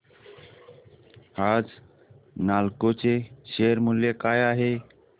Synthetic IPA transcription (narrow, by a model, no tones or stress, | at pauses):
had͡z | nalkot͡seɕeəɾmuljekajaɦe